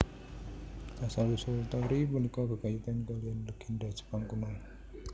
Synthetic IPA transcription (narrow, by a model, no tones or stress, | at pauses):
kasalusɔlt̪awɾiməlikɔkəkait̪ankalianləɡ̥indad͡ʒ̥ə̥paŋkunɔl